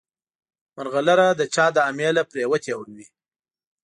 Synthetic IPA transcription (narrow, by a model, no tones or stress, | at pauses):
maɾɣalaɾad̪ət͡ʃɑd̪əamelapɾewət̪ewəɾwi